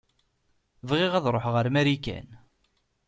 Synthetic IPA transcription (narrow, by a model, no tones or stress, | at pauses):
vʁɪʁæðɾˤoħʁəɾmæɾikæ̰n